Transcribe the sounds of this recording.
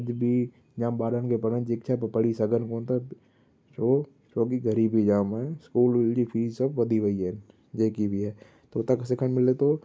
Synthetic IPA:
d͡ʒbʱi | d͡ʒãːmbaːɾənkepəɽənd͡ʒekt͡ʃʰapəpəɽisɐɡənkoːnt̪a | t͡ʃoː | t͡ʃoːkiɡəɾiːbid͡ʒaːmɛ̃skuːld͡ʒipʰiːd͡ʒsɐbʋɐd̪ʱiʋəiɦɛn | d͡ʒeːkibʱiɦɛː | t̪oʊt̪akasɪkʰənmɪlet̪oː

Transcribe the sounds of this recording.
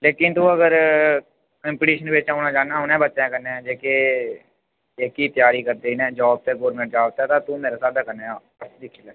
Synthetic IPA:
leːkɪnt̪ũːəɡəɾ | kə̃mpɪʈiːʃənbeːt͡ʃaːuːnaːd͡ʒaːnãːʊnẽːbətːʃẽːkəɾneːãːd͡ʒeːke | ekiːt̪ɪjaːɾiːkəɾd̪eːiːnɛ̃ːd͡ʒɔːb̚t̪eːɡoːɾmẽɳʈ̚d͡ʒaːʋt̪aɛːt̪ãːt̪ũːmeːɾaːsaːd̪aːkəɾneːaː | d̪ɪkʰːilɛː

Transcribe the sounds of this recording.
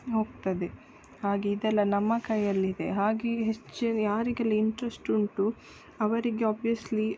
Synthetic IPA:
ɦo̞ːɡt̪ɐd̪e̞ | haːɡeid̪ɛlːɐnɐmːɐkɐjːɐlːid̪e̞̰ɦaːɡeɦet͡ʃːinjaːɾiɡɐlːiiɳʈɾɐsʈuɳʈu | ɐʋɐɾiɡe̞aːbijɐsli

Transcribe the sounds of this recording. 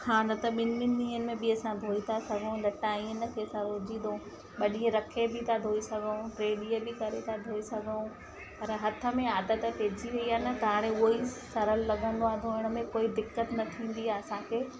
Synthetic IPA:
kʰãnɐt̪ɐɓɪnːɪnĩːɦənɪ̆mẽbɪɐsãd̪ʱoːit̪ʰasɐɡʱũlɐʈaĩːənə̆kʰeɐsãɾoːd͡ʑĩd̪õ | ɓɐɗiə̃ɾɐkʰebʱɪt̪ʰad̪ʱoːisɐɡʱəũʈɾeːɗiəbʱɪkɐɾet̪ʰad̪ʱoːisɐɡʱũ | pɐɾɦɐt̪ʰə̆mẽaːd̪ət̪əpeːd͡ʑiʋɐiɦaːnɐt̪ɐɦãːɽ̃ẽʊoisɐɾəlːɐɡʱə̃nd̪oãːnd̪ʱõɦɪɽ̃ə̆mẽkoːid̪ɪkːət̪nɐt̪ʰĩːn̆d̪iaːɐsãkʰeː

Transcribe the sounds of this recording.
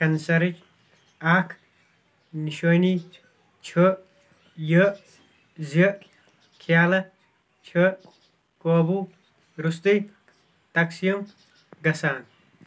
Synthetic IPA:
kɐnsɐɾit͡ʃ | aːkʰ | niʃojni | t͡ʃʰə | jə | ze | kʰjaːlɐ | t͡ʃʰɐ | koːbuː | ɾust̪ij | t̪ɐksijɐm | ɡɐsaːn

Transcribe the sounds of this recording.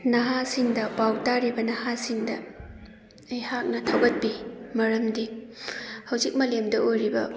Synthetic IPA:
nɐɦasiŋdɐpawtaɾibɐnɐhasiŋdɐ | ejhak̚nɐtʰawɡɐt̚bimɐɾɐmdi | hɐwzik̚mɐlemdɐʔojɾibɐ̰

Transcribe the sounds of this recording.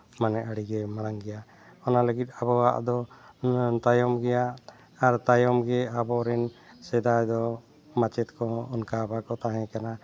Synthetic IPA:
manɛʔaɽiɡɛmaɽaŋɡɛja | ɔnaləɡit̪̚ˀabɔwa̰ʔd̪ɔ | t̪ajɔmɡɛjaː | ɾt̪ajɔmɡɛabɔɾɛnsɛd̪ajd̪ɔ | mat͡ʃɛt̪̚kɔɔnkaːbakɔt̪aɦɛ̃kana

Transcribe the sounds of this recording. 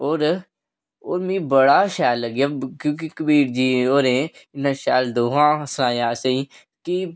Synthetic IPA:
oːɾ | oːɾmĩːbəɽaːʃaːlːəɡjaːkjõːk̬ikəbiːɾd͡ʒiːoːɾẽɪnãʃaːld̪oːɦãːsnaːjaːsəi | ki

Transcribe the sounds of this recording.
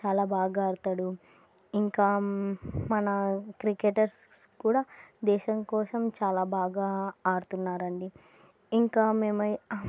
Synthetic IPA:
t͡ʃaːlaːbaːɡaːɽt̪aɽu | iŋkaː | mɐnɐkɾikeʈɐɾs | skuːɽaːd̪ɛːʃɐŋkɔːsɐmt͡ʃaːlaːbaːɡaːɽut̪unːaːɾɐɳɖi | iŋkaːmeːmɐj

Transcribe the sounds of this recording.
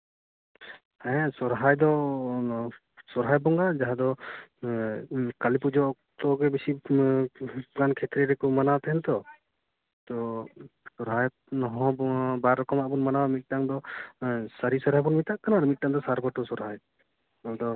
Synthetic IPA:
hɛsɔɾɦajd̪ɔ | sɔɾɦajbɔŋad͡ʒaɦad̪ɔ | kalipud͡ʒɔ | t̪ɔɡɛbisi | ɡankʰɛt̪ɾɛɾɛkɔmanawt̪ɛɦɛnt̪ɔ | t̪ɔ | sɔɾɦaj | nɔɦɔ̃bɔbaɾːɔkɔmaʔbɔnmanawamit̪̚ʈaŋd̪ɔ | saɾisɔɾɦajbɔnmit̪aʔkanaɾmit̪̚ʈaŋd̪ɔsaɾbɔʈɔsɔɾɦaj | ɔd̪ɔ

